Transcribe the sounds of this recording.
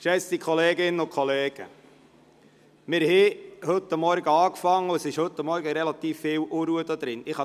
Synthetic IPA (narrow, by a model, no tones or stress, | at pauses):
ʃɛstikʰχɔleːɡɪnːənʊkʰχɔleːɡ̥ə̰ | mɪɾhɛhɵt̪ːəmːɔɾɡəɑːkfɑŋːəʊɛsɪʃhɵt̪ːəmːɔɾɡəɾɛlɑt̪iːfːɪːwʔuɾuəd̪od̪ɾɪnɪχhɑ